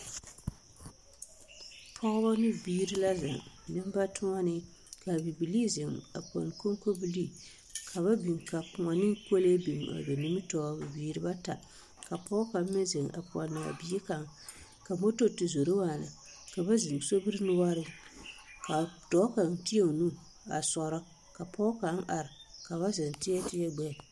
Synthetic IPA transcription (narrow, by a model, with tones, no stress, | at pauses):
pʰɔ˦ɡba˦nɨ˦˨biː˦ɾɨ˦la˦za˨ŋnɨ˦m˦ba˦tʰʊ˦ŋa˦nɨ˦ | ka˨bi˨bi˨li˦zɪ˨ŋa̰˨pɔ̰˨n˨ko˦ŋ˦ko˦bi˦li˦ | kʰa˨βa˦bi˨ŋ˨ka˨pʊ˨ŋa˨nɨ˦ŋko˦le˦bi˨ŋ˨a̰˨be˨ni˦mɨ˦tɔː˦bi˨biː˨˦ɾɨ˦ba˦ta˨ | ka˨pɔ˦ka˨˦mɪ˦ze˨ŋa̰˨pɔ̰˨nːɨ˨a̰˨bi˦i˦ka˨ŋ | ka˨mo˦to˦tɪ˨zo˨ɾe˦waː˦˨na̰˨ | ka˨ba˦zɪ˨ŋ˨so˦bɨ˦ɾɨ˦nʊ˦wa˦ɾɪ˦ | ka˨tɔ˨˦ka˨ntɪ˦e˦˨nu˦ | a̰˨sɔ˨ɾɔ˦ | ka˨pɔ˦ka˨˦n̩˦ʔa˨ɾɪ˨ka˨βa˦zɪ˨ŋ˨tɪ˦jɛ˦tɪ˦jɛ˦ɡ͡bɛ˦˨